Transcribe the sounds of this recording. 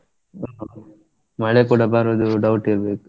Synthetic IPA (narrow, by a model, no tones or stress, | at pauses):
mɐɭekuːɽabaːɾoːd̪uɖɐwʈiɾbeːku̥